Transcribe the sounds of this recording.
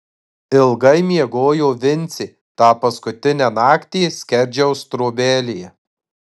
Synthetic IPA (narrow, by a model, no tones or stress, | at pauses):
ɪlˠɡɐɪmʲiɛɡoːjoːʋʲɪnʲt̪sʲiː | t̪ɑːpɐskʊt̪ʲɪnʲæːnɑːkt̪ʲiːsʲkʲɛɾʲd͡ʒʲɛʊst̪ɾoːbʲeːlʲɪjɛ